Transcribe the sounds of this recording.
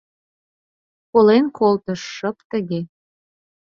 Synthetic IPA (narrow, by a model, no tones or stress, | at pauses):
kolenkʰolˠt̪ɤ̆ʃːə̆pt̪ə̆ɡʲe